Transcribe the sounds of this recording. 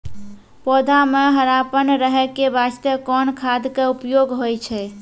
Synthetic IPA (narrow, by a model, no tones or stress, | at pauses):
pɔd̪ʱameɦəɾapənɾəɦɛkebast̪əkɔnkʰad̪keupjoɡɦojt͡ʃʰɛ